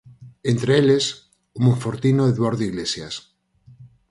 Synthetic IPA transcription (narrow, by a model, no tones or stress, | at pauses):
ent̪ɾeeles | ʊmõɱfoɾt̪inoeðβoɾðiɣlesjas